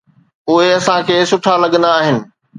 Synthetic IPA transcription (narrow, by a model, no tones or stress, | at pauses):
ʊɦeɐsãkʰeːsʊʈʰalɐɠə̃nd̪aːɦɪnɪ̆